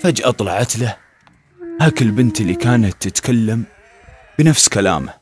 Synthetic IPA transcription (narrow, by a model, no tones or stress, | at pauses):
fad͡ʒʔɑt̪ˤlɑʕat̪la | haːkɪlbɪnt̪ɪlːikaːnat̪ːɪt̪kʰalːam | b̥ɪnafskala̰ːma